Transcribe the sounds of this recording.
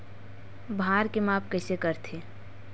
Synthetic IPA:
bʱaːɾkemaːpkəɪsekəɾt̪ʰeː

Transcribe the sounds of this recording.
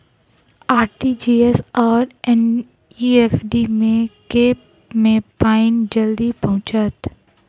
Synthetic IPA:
aːɾʈid͡ʒiːesɔːɾɛn | iefɖimẽkeːp | mẽpaːɪnd͡ʒɐld̪ipɐɦʊ̃t͡ʃət̪

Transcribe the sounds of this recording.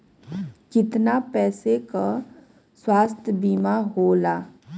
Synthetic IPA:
kɪt̪napɛːseka | swaːst̪ʰjəbiːmaɦolaː

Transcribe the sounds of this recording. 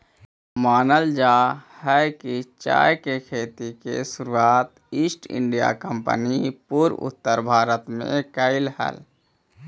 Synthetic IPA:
maːnəld͡ʒaːhɛkit͡ʃa̰ːjkekʰeːt̪ikḛsʊɾuaːt̪ | isʈɪ̰ɳɖija̰kəmpə̰nipuɾʊ̰t̪ːəɾbʱaːɾət̪mḛ̃kəɪlhə̰l

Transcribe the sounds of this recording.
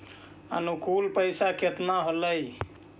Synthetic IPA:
ə̰nukulpəjsakʰet̪naɦoləj

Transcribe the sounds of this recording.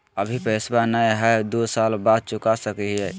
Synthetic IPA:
əbʱipəɪsbanəjɦɛd̪osalbad̪̚t͡ʃʊkasəkɛɦɛ

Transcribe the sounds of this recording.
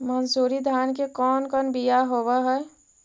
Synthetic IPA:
mənsuːɾid̪ʱaːnkekɔːnkɔːnbijaɦowaɦɛ

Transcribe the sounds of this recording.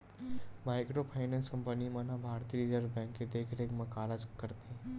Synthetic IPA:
maːɪkɾopʰaːɪnɛ̃nskɐ̃mpənimɐnabʱaːɾt̪iɾɪd͡ʒəɾʋbɛ̃ːŋkːed̪eːkʰɾekmɐkaːlad͡ʒkəɾt̪ʰi

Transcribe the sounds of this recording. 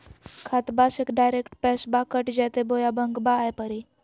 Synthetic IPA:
kʰat̪basekɖajɾekʈpɛsbakəʈd͡ʑat̪ebojabəŋɡbaːjpəɾi

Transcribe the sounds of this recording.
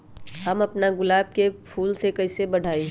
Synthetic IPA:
hɐmɐpnaɡʊlaːb̚kepʰuːlsekɐɪsebɐɽʱaːi

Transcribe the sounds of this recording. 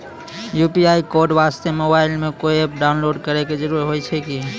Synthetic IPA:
jupiaikoɾɖbast̪emobailmekojepɖaʊnloɖkəɾɛked͡ʒəɾuɾɦojt͡ʃʰɛki

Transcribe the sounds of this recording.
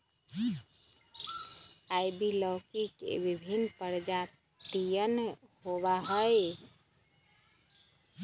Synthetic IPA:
ajbiləwkikḛbibʱinpəɾd͡ʒa | t̪ijənhoβaɦəj

